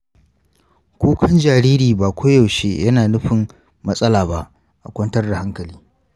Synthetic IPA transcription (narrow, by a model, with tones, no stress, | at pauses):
kʷuː˦kʰɐ˦nd͡ʒaː˨ɾiː˦ɾiː˨baː˨kʷo˦jɐ˨wʃeː˦jɐ˦naː˨nʊ˦ɸɪ˨m | mɐ˦sʼɐ˦laː˨ba˦ʔ | ʔa˨kʷɐ˦ntɐ˦rda˨ha˦ŋkɐ˨liː˦